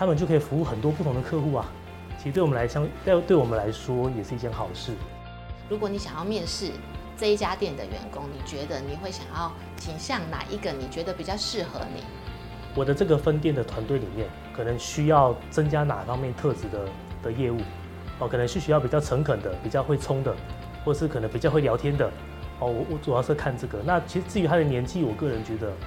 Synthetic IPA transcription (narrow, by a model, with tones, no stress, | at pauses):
t̪ʰa˥mə˨nt͡ɕo˥˩ʊkʰːfu˧˥u˥˩xə˨˩nt̪wɔ˥pu˥˩t̪ʰʊ˧ŋd̪ə˧kʰɤ˥˧xu˥˩a˨˩ | t͡ɕʰi˧˥ɻ̩˧t̪wla˧ɪɕjɑ˥˧ŋ˥t̪we˥˩ɪwɔ˨˩ə˦nla˧˥ɪʂwɔ˥jɛ˨˩ʂɻ̩˥˧i˥˩tʰjɛ˧˥nxɑ˨˩ʊʂɻ̩˥˩ | ɻu˧˥kwɔ˧˦ni˧˩ɕjɑ˨˩ŋjɑ˥˧mjɛ˥˧nʂɻ̩˥˩ | t͡sə˥˧i˦˩t͡ɕja˦t̪jɛ˥˩nd̪ə̰˨ɥɛ̰˧˦nkʊ˦ŋni˨˩t͡ɕɥɛ˧˥d̪ə˧ni˨˩xwe˥˩ɪɕjɑ˨˩ŋjɑ˥˩ʊ | t͡ɕʰi˨˩ŋɕjɑ˥˨ŋna̰˨˩˦ʔi˥ɡə˨ni˨˩t͡ɕɥɛ˧˥d̪ə˧pi˨˩t͡ɕjɑ˥˧ʊʂɻ̩˥˩xɤ̰˧˦nḭ˨˩˦ | wɔ˨˩d̪ə˧˦ʈ͡ʂɤ˥˩ɡə˩fə˥nt̪̬jɛ˥˩nd̪ə˩t̪ʰwa˧˥nt̪we˥˩ɪli˨˩mjɛ˥˩n | kʰɤ˨˩nə˧˦ŋɕy˥jɑ˥˩ʊt͡sə˦ŋt͡ɕja˥na̰˨˩fɑ˥ŋmjɛ˥˨nt̪ʰɤ˥˧ʈ͡ʂɻ̩˧˥˦d̪ə˧ | d̪̥ə˨jɛ˥˧u˥˩ | ɔ˧˩kʰɤ˨˩nə˧˦ŋʂi˥˩ɕy˥jpi˨˩t͡ɕjɑ˥˩ʊt͡sʰə˧˥ŋkʰə˨˩nd̪ə˦pi˨˩t͡ɕjɑ˥˧ʊxwe˥˩ɪt͡sʰʊ˥ŋd̪ə˨ | xwɔ˥˩˨ə˨˩ʂɻ̩˥˩kʰɤ˨˩nə˦˥pi˨˩t͡ɕjɑ˥˧xwe˥˩ɪljɑ˧˥ʊjɛ˥nd̪ə˨ | ɔ˥˩wɔ˨˦wɔ˨˦t͡su˨˩ɑ˥ʂʰɤ˥˧kʰa˥˧nʈ͡ʂɤ˥˩ɡə˩na˥˨t͡ɕʰi˧˥ʂ̩˥t͡sɹ̩˥˩y˧˥t̪ʰa˥d̪ə˨njɛ˧˥nt͡ɕʰi˥˨wɔ˨˩kɤ˥˩ɻə˧˦nt͡ɕɥɛ˧˥d̪ə˧